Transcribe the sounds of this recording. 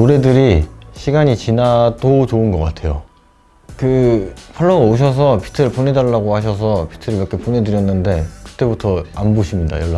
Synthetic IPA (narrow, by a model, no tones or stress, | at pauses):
noɾe̞dɯɾiɕʰiɡaɲit͡ɕinadot͡ɕoɯnɡʌk͈atʰe̞jo̰ | kɯpʰaɭːʌɡaoɕ̬ʰʌs̬ʰʌpʰi̥tʰɯɾɯɭpone̞daɭːaɡohaɕ̬ʰʌs̬ʰʌpʰi̥tʰɯɾɯɭjʌk͈ʰepone̞dɯɾjʌnːɯnde̞kɯ̥t͈e̞butʰʌanboɕʰimɲida̰jʌɭːa